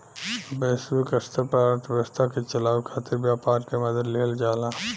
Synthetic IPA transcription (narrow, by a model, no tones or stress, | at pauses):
besʋikəst̪ʰapɐɾəɾt̪ʰbəst̪ʰakit͡ʃɐlaːʋkʰaːt̪ɪɾbjaːpaːɾkemɐd̪əd̪leːld͡ʒaːlaː